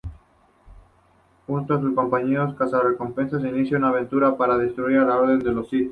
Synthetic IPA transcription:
xunt̪oas̬usko̞mpaɲeoskasareko̞mpe̞nsas̬einiθjaunaːβ̞ẽ̞nt̪uɾapaɾaðest̪ɾuiɾalao̞ɾðe̞nd̪e̞losit̪

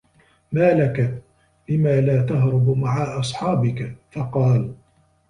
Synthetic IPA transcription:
maːlaka | lɪmaːlaːt̪aɦɾʊbmaʕaʔɑsˤħɑːbɪkafɑqɑːl

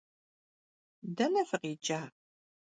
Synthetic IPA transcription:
d̪ænæfəʁid͡ʒːæ

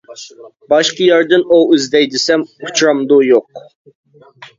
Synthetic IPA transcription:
bɑʃqəjæɾd̪ɨnoyzd̪ɛjd̪ɪsɛmut͡ʃʰɾɑmd̪ujoq̚

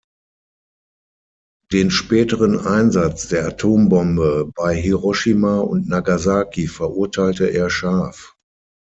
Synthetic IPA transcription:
d̥eːnʃpɛːtəʁənʔaɪnzat͡sd̥eːɐatʰoːmbɔmbəbaɪɦiʁɔʃimaːʊ̰ntnaɡazaːkʰifɛɐʔʊɐtʰaɪltəʔeːɐʃaːf

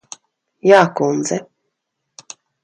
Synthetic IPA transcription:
jaːkund̪zɛ

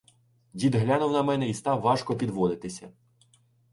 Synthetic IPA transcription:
dʲid̪ɦlʲanʊwnɐmɛnɛist̪ɑʋɑʃkɔpʲid̪ʋɔd̪ɪt̪ɪsʲɐ̰

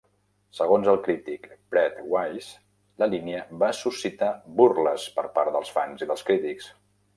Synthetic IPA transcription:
səɣ̞onzəlˠkɾit̪ikpɾɛt̪wajs | ləliniəβasusit̪aburləspəɾpaɾd̪əlˠsfanziðəlˠskɾit̪iks

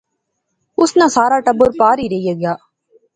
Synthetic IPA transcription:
ʊsnasaːɾaːʈɐboɾpaːɾiɾejɐɡjaː

